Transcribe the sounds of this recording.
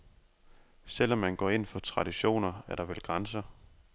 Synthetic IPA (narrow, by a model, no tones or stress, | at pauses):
sel̰ɒ̽mːænɡ̥ɒ̰ːe̝n̰fɒ̽t͡sʰʁɑ̈d̥iɕo̝̰ːnɐæɐɾ̥ɑ̈ʋelɡ̥ʁansɐ